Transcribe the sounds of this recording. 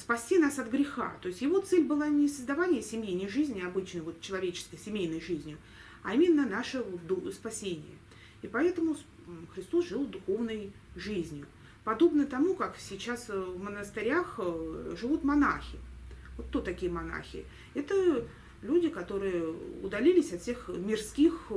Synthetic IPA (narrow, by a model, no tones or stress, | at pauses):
spɐsʲtʲinasɐt̪ɡɾʲɪxa̰t̪o̞ɪsʲtʲjɪvo̞t̪sɛlʲbɨlˠanʲɪsəzd̪ɐvanʲɪjəsʲɪmʲejnəjʐɨzʲnʲɪɐbɨt͡ɕnəjvo̞t̪̚t͡ɕːɪlˠɐvʲet͡ɕɪ̥skəjsʲɪmʲejnəjʐɨzʲnʲjʊ | aimʲɪnːənaʂəd̪spɐsʲenʲɪ̰jə̰ | ipɐɛt̪əmʊ | xɾʲɪst̪o̞sʐɨlˠd̪ʊxo̞vnəj | ʐɨzʲnʲjʊ | pɐd̪o̞bnət̪ɐmukaksʲɪt͡ɕasvmənəst̪ɨɾʲaxʐɨvut̪mɐnaxʲɪvot̪t̪ːot̪ːɐkʲijəmɐna̰xʲɪ̰ | ɛt̪ə | lʲudʲɪkɐt̪o̞ɾɨjəʊ̰d̪ɐlʲilʲɪsʲɐt̪fsʲe̞xmʲɪrskʲix